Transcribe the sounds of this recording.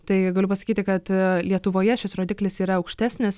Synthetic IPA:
t̪ɐɪɡɐlʲʊpɐsɐ̥kʲiːt̪ʲɪkɐt̪lʲiɛt̪ʊʋoːjɛʃʲɪsɾoːd̪ʲɪːklʲɪsiːɾɐɐʊkʃʲt̪ʲæːsʲnʲɪs

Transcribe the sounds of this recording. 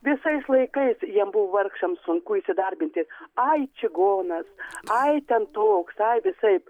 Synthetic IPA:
ʋʲɪsɐɪslˠɐɪkɐɪsjiɛmbuʋoʋɐrkʃɐmsʊŋkuiʃʲsʲɪd̪ɐɾʲbʲɪnʲt̪ʲiːsɐjt͡ʃʲɪɡoːnɐsɐɪt̪ʲɛnt̪oːksɐɪʋʲɪsɐɪp

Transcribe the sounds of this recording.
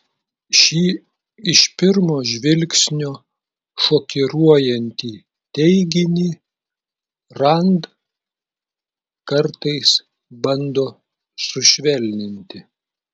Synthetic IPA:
ʃʲiː | ɪʃpʲɪɾmoːʒʲʋʲɪlʲksʲnʲoː | ʃoːkʲɪɾuɔjɛnʲt̪ʲiː | t̪ʲɛɪɡʲɪnʲiː | ɾɐnd̪ | kɐɾt̪ɐɪs | bɐnd̪oː | sʊʃʲʋʲɛlʲnʲɪnʲt̪ʲɪ

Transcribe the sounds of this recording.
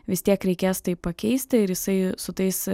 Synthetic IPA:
ʋʲɪsʲt̪ʲiɛkɾʲɛɪkʲeːst̪ɐɪpɐkʲɛɪsʲt̪ʲɪɪɾjɪsɐɪsʊt̪ɐɪs

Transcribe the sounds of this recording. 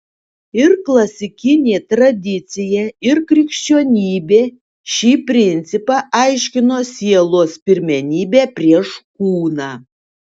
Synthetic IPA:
ɪɾklˠɐsʲɪkʲɪnʲeːt̪ɾɐd̪ʲɪt̪sʲɪjɛɪɾkɾʲɪkʃʲt͡ʃʲoːnʲiːbʲeː | ʃʲiːpʲɾʲɪnʲt̪sʲɪpɑʔɐɪʃʲkʲɪnoːsʲiɛlˠoːspʲɪɾʲmʲɛnʲiːbʲæːpʲɾʲiɛʃkuːnɑː

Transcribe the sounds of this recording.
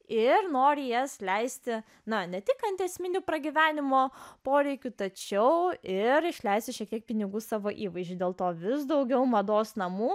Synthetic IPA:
ɪrnoːɾʲɪjɛslʲɛɪsʲt̪ʲɪ | nɐnʲɛt̪ʲɪkɐnʲt̪ʲɛsʲmʲɪnʲupɾɐɡʲiʋʲæːnʲɪmoːpoːɾʲɛɪkʲʊt̪ɐt͡ʃʲɛʊɪɾɪʃʲlʲɛɪsʲt̪ʲɪʃʲiɛk̚t̪ʲiɛk̚pʲɪnʲɪɡuːsɑːʋoːʔiːʋɐɪzʒʲd͡ʒʲʊdʲeːlˠt̪oːʋʲɪs̬d̪ɒʊɡʲɛʊmɐd̪oːsnɐmuː

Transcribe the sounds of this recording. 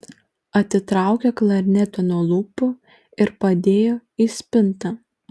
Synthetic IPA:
ɐt̪ʲɪt̪ɾɑˑʊkʲɛklˠɐɾʲnʲɛt̪ʲonuɔlˠuːpʊ | ɪɾpɐd̪ʲeːjoːiːsʲpʲɪnt̪ɐ

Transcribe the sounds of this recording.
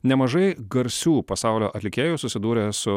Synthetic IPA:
nʲɛmɐʒɐɪɡɐɾʲsʲuːpɐsɑˑʊlʲoːʔɐt̪ʲlʲɪkʲeːjusʊsʲɪd̪uːɾʲeːsʊ

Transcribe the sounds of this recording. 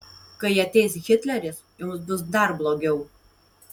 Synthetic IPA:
kɐɪɐt̪ʲɛɪsɣʲɪt̪ʲlʲɛɾʲɪsjʊmsbʊsd̪ɐɾblˠoːɡʲɛʊ

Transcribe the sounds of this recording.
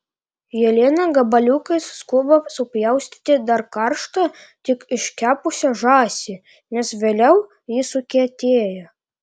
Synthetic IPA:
jɛlʲeːnɐɡɐbɐlʲukɐɪsːkuɔbɐsʊpʲjɛʊsʲt̪ʲɪ̥t̪ʲɪd̪ɐɾkɐɾʃt̪ɐ | t̪ʲɪkɪʃʲkʲæːpʊsʲɛʒɑːsʲɪ | nʲɛsʋʲeːlʲɛʊ | jɪsʊkʲet̪ʲeːjɛ

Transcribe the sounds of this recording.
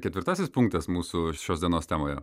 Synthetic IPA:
kʲɛt̪ʲʋʲɪɾt̪ɑsʲɪspʊŋk̚t̪ɛsmuːsʊʃʲoːsd̪ʲiɛnoːst̪ʲæːmoːjɛ̰

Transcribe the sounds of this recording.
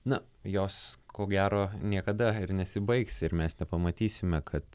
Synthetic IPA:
nʊ | joːskoːɡʲæːɾoːnʲiɛkɐd̪ɐɪɾnʲɛsʲɪbɐɪksʲɪɾmʲɛsnʲɛpɐmɐt̪ʲiːsʲɪmʲɛkʰɐt̪

